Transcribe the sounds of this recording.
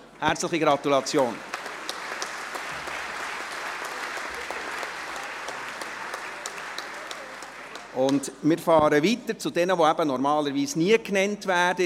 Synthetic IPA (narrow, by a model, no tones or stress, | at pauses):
hæɾt͡sləχiɡɾɑt̪ulɑt͡sjoːn | ʊndmɪːɾfɑːɾəʋitəɾt͡sʊdɛnəʋoæb̥ənɔɾmɑːləɾʋiːsniəknɛntvæːɾdə